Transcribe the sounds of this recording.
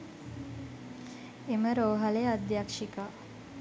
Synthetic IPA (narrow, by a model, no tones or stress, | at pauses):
eməɾoːɦalead̪jakʂika